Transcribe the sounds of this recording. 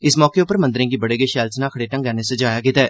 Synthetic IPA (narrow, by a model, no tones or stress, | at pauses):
ɪsmɔːkeːʊpəɾmənd̪əɾẽːɡiːbəɽeːɡeːʃɛːlsnaːkʰəɽeːʈə̃ŋɡɛːneːsəd͡ʒaːjaːkɪt̪ɛː